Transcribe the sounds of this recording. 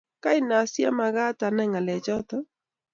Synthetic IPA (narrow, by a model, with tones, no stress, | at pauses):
ka˦ɪ˨na˨sja̰˦ma˨ɣa˦ta˨nɛ˦ŋa˨lɛ˨t͡ʃɔ˦t̪ɔ˦